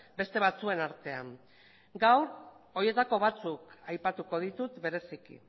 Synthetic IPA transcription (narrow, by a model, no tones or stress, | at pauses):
be̞st̪e̞βat͡sue̞naɾt̪e̞am | ɡawɾo̞je̞t̪ako̞β̞at͡sukajpat̪uko̞ð̞it̪ut̪be̞ɾe̞sikḭ